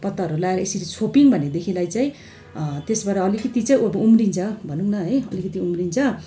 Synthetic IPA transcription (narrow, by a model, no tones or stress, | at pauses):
pʌt̪ːaɦʌɾulaeɾʌesʌɾit͡sʰopiŋbʱʌned̪ekʰĩlajt͡saĩ | t̪esbaɾʌʌlikʌt̪it͡saĩbumrint͡sʰʌbʱʌnuŋnʌɦʌjʌlikʌt̪iumrint͡sʰʌ